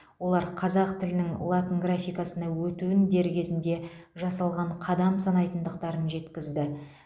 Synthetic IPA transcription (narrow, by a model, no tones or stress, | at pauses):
wo̞lˠɑɾqʰɑzɑqt̪ʰɪlɪnɪŋlˠat̪iŋɡrafʲijkɑsənɑwɵt̪uɪnd̪e̞ɾɡʲe̞zɪnd̪e̞ʒɑsɑlˠʁɑɴqʰɑd̪ɑmsɑnɑjt̪ənd̪əqt̪ɑɾənʒe̞t̪kʲɪzd̪ɪ